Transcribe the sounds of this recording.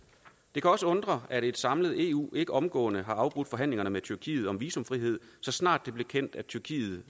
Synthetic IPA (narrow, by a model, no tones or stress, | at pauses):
d̥e̝kʰæɒ̽səɔ̽nd̥ʁɐæɾ̥e̝d̥sɑ̈mləð̩ˠe̝̰ːṵːe̝ɡ̥əʔɒ̽mɡ̥ɔ̰ːnəɦɑ̈ɑ̈ʊb̥ʁud̥fɒ̽ɦæn̰le̝ŋɐnəmet͡sʰyɐkʰḭːð̞̩ˠɒ̽mʋiːsɔ̽mfʁiɦe̝ð̞̰ˠsɒ̽snɑ̰̈ːd̥ːe̝b̥le̝kʰen̰d̥æt͡sʰyɐkʰḭːð̞̩ˠ